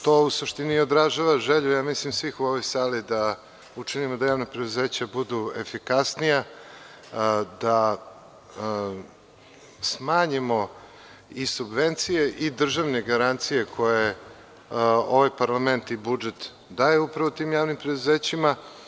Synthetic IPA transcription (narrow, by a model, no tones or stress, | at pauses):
t̪oːusuʂt̪inio̞d̪ɾaʒaʋaʒeʎujaːmislimsʋixuoʋo̞jsaːlid̪a | ut͡ʂinimod̪ajaːʋnapɾe̞d̪uzeːt͡ɕabud̪uefikasnija | d̪a | smaːɲimo̞ | isubʋent̪sije̞ʔid̪r̩ʒaʋne̞ɡaɾant̪sije̞kʰo̞je | o̞ʋajpaɾlˠame̞nt̪ibud͡ʒet̪ | d̪aːjeupɾaʋot̪iːmjaːʋnimpɾed̪uzeːt͡ɕima